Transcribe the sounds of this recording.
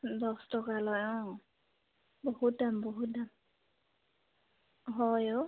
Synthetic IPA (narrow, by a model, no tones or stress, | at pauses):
dɔstɔkalɔjɔ̃ | bohut̚dambɔɦut̚dam | ɦɔjɔ